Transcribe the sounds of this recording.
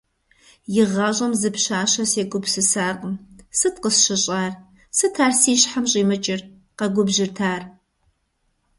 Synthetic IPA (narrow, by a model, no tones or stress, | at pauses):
jɪʁɑːʑʼɐmzɨpʃaːɕɐseːkʷʼʊpsɨsaːqʼəmsɨtqəsɕɪɕʼaːr | sɨtʰaːrsiːɕħamɕʼiːmɨt͡ʃʼɪr | qɐɡʷʊbʑɪrtʰaːr